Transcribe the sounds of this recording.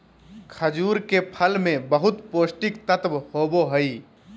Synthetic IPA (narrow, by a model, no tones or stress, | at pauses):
kʰəd͡ʒuːɾkepʰəlmẽbəɦʊt̪poːsʈɪk̚t̪ət̪bhoːboɦəi